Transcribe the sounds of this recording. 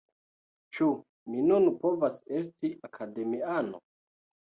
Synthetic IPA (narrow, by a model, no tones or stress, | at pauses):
t͡ʃu | minunpo̞vase̞s̬tiakʰade̞miano̰